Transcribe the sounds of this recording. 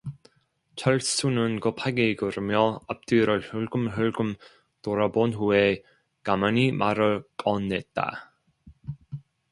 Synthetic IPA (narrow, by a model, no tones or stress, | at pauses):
t͡ɕʰaɭs͈unɯnkɯpʰaɡeɡɯɾɯmjʌap̚t͈iɾɯɭhɯɭɡɯmɦɯɭɡɯm | toɾabonɦue | kamanimʔaɾɯɭkʌnːet̚t͈a̰